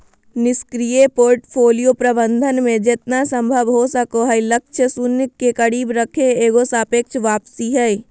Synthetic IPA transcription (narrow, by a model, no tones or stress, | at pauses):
nɪskɾijepoːɾʈpʰoːlijopɾəbə̃nd̪ʱənmẽd͡ʒet̪nasə̃mbʱəbɦosəkoɦəiləkʃʰəsunjəkːekəɽiːbɾəkʰeeːɡosaːpeːkʃʋaːpsiɦɛi